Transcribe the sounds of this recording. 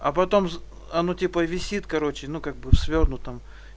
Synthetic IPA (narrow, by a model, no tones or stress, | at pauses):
ɐpɐt̪o̞m | ɐnotʲipəvʲɪsʲit̪kɐɾo̞t͡ɕɪnukaɡ̚bɨfsvʲornʊt̪ːəm